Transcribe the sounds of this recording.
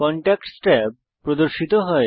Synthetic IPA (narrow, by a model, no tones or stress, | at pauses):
kɔɳʈɛk̚ʈsʈa | pːɾod̪oɾʃit̪oɦɔe